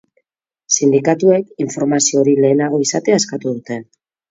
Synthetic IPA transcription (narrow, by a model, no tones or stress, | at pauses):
sind̪ikat̪ue̞kiɱfo̞ɾmasio̞ɾile̞ːnaɣ̞o̞isat̪eaeskat̪uð̞ut̪e̞n